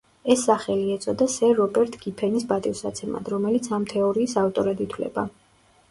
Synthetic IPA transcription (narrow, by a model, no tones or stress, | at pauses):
ɛsːaχɛliɛt̪sʼɔd̪asɛɾɔbɛɾt̪ʰʼɡ̥ipʰɛnisbat̪ʼivsat̪sʰɛma̰d̪ɾɔmɛlit̪sʰamt̪ʰɛɔɾiːsaft̪ʼɔɾad̪it̪ʰwlɛ̰ba